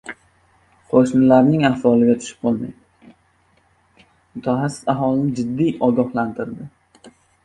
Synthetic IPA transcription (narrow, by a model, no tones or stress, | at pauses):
qʰoʃnɪlaɾnɪŋahvɒlˠɪɡʲat̪ʰʊ̥ʃɪ̥p̚qolˠma̰jd̪ | mʊt̪ʰaχasːɪ̥saɦɒlɪnɪd͡ʒɪd̪ːijʔɒɡɒhlant̪ʰɪɾd̪ɪ